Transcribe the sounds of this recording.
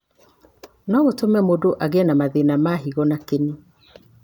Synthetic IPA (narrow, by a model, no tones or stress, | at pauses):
nɔɣotomɛmodoʔaɣenamaðenamaɦiɣɔnakeni